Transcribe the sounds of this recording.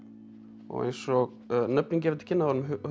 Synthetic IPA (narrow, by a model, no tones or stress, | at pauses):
ɔ̰ɣḛjnsɔɣ | nœp̚niŋc̬ɪɛɾt̪cʰɪnːaɔɾnʏmɦ